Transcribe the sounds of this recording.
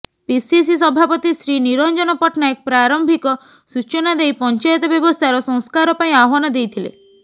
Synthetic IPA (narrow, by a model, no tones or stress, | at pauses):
pisis̬is̬ɔbʱapɔt̪isɾiniɾɔnd͡ʒɔnɔpɔʈnaek̚pɾaɾɔmbʱikɔ | sut͡ʃɔnad̪ejpɔnt͡ʃajɔt̪ɔbjɔbɔst̪ʰaɾɔsɔ̃ŋ̃skaɾɔpaĩaɦɔnɔd̪ejt̪ʰilḛ